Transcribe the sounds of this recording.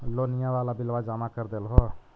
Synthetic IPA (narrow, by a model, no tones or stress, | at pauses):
lonijãwalabɪlwad͡ʒamakəɾd̪elɦɔ